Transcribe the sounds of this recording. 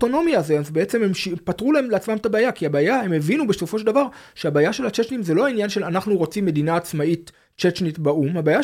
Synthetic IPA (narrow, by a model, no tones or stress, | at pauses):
to̞no̞mjazeazbeet͡sememʃipatʁulaemleat͡smamt̪abeːjakiabajaemevinubeso̞fo̞ʃeldavaʁ | ʃeabaːjaʃe̞lat͡ʃet͡ʃnimzelo̞ainjanʃe̞lanaχnuʁo̞t͡simːe̞d̪inaːt͡smait | t͡ʃet͡ʃnitbaumhabaːja